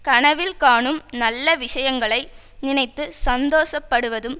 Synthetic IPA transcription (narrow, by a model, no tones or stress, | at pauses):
kɐɳɐʋɪlkaːɳɯmnɐlːɐʋɪʂɐjɐŋɡɐɭɐɪ | nɪnɐɪt̪ːɯsɐnd̪oːsɐpːɐɽɯʋɐðɯm